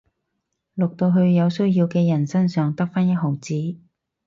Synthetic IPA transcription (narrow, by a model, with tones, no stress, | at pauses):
lʊ˨k̚t̪o˧wɦɵ˧ɥjɐ˨˧wsɵ˥ɥjiː˧wkɛː˧jɐ˨˩nsɐ˥nsœː˨ŋt̪ɐ˥k̚faː˥njɐ˥t̚ɦo˨˩wt͡siː˨˥